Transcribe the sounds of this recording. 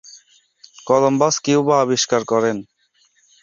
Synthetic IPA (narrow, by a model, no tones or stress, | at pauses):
kɔlɔmbaskiubaːbiʃkaɾkɔɾen